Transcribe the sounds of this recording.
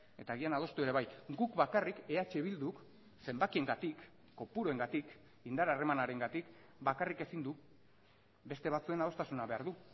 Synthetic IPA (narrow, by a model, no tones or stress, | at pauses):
e̞t̪aːɣianað̞o̞st̪ue̞ɾe̞βajɡukbakarikeat͡ʃeβild̪uk | se̞mbakie̞ŋɡat̪ikː | o̞puɾoe̞ŋɡat̪ik | ind̪aɾare̞manaɾe̞ŋɡat̪ik | bakarike̞sind̪u | be̞st̪e̞β̞at͡sue̞nað̞o̞st̪asunaβe̞aɾðu